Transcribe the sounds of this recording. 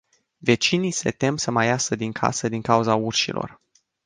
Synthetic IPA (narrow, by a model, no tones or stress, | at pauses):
ve̞t͡ʃinijse̞t̪e̞msəmajasəd̪iŋkʰa̰səd̪iŋkauzaurʃḭlo̞̰r